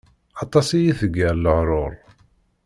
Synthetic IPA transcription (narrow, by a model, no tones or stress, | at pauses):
ɑt̪ˤɑsijiθəɡːəɾləʕɾˤʊɾˤ